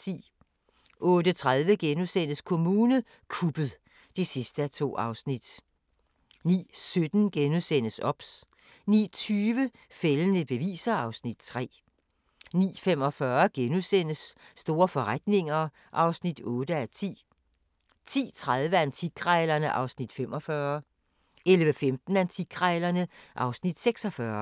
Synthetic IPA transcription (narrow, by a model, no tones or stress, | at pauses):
t͡sʰḭː | ʔɔ̽ːdət͡sʰʁað̞ˠʋəɡ̥enusen̰əskʰo̝muːnə | kʰub̥əð̩ˠ | d̥e̝sisd̥əæt͡sʰo̝̰ːɑ̈ʊsnid̥ | nḭːsød̥n̩ɡ̥enusen̰əsɒ̽b̥s | nḭːt͡sʰyːʋə | felənəb̥e̝ʋḭːsɐɑ̈ʊsnid̥̚t͡sʰʁɛ̰ː | nḭːfem̰ɒ̽fɶɐɡ̥enusen̰əsːd̥o̝ːɐfɒ̽ʁad̥ne̝ŋɐ | ʔɑ̈ʊsnid̥ɔːdəæt͡sʰḭː | t͡sʰḭːt͡sʰʁað̞ˠʋəænt͡sʰiɡʰʁɑɪlɐnəʔɑ̈ʊsnid̥fem̰ɒ̽fɶɐ | elʋəfemd̥n̩ænt͡sʰiɡ̥ʰʁaɪlɐnəʔɑ̈ʊsnid̥seɡ̥sɒ̽fɶɐ